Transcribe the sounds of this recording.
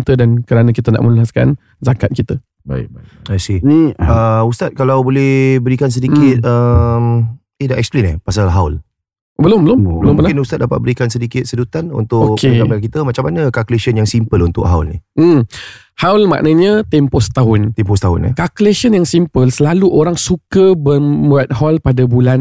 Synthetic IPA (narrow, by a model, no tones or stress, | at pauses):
t̪ədankəɾanə̃kit̪əna̰ʔmənulɦaska̰n | zakat̪̚kit̪ə | ba̰ɪ̰kaasiəust̪at̪̚kalawbolɛhbəɾikans̬ədikɪt̪̚əm | edaʔɛksplinɛpas̬alɦawl | bəlʊmbəlʊmbəlʊmənaɪnust̪at̪̚dapa̰t̪̚bəɾikansədikɪt̪̚sədut̪anṵnt̪ʊokkʰeamaakit̪əmat͡ʃamːanəkakuleʃənjaŋsimpəlunt̪ʊ̰ʔɦawlnḭm̩ | hawlma̰ʔnəɲə̃t̪ɛmposə̥t̪aɦʊnt̪ɛmposət̪aɦʊ̰n̰kakuleʃənjaŋsimpəlsəlaluʔoɾaŋsukəbəuat̪̚hɔlpadabulan